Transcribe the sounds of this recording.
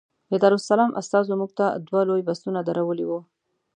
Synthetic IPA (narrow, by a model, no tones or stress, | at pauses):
jad̪aɾʊsalɑmʔa̰st̪ɑzomuɡ̚t̪ad̪walojbast̪unad̪aɾawəliwu